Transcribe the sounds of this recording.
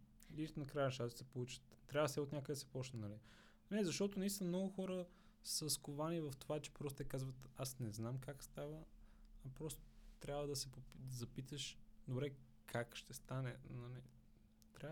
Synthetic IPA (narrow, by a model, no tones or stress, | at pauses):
liʃt̪nɐkɾajʃ̬t̪asɛpolˠut͡ʃə̥t̪t̪ːɾʲavəsɛot̪nʲakəɡ̪d̪ɐsɛ̥pɔt͡ʃnɛnɐli | nɛzɐʃt̪ɔt̪onɐist̪ʲinəmnɔɡʊxɔɾə | səskʊvanivɐft̪ovat͡ʃɛ̥pɾɔst̪ot̪ɛkazvət̪asnɛznamkakst̪avəɐpɾɔst̪o̥t̪ɾʲabvəd̪ɐsɛpod̪ɐzɐpit̪əʃd̪obɾɛ | kʰakʃt̪ɛst̪anɛnɐlḭ | t̪ɾʲa